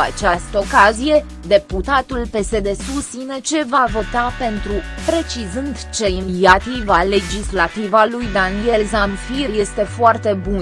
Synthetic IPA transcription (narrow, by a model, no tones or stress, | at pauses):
a̰t͡ʃast̪əo̞kazije̞ | d̪e̞put̪at̪ulpe̞se̞d̪e̞sust̪ine̞t͡ʃe̞vavo̞t̪ape̞nt̪ɾupɾe̞t͡ʃizɨnd̪t͡ʃe̞inat̪ivale̞d͡ʒislat̪ivalujd̪anie̞lzamfirje̞st̪e̞foart̪e̞bun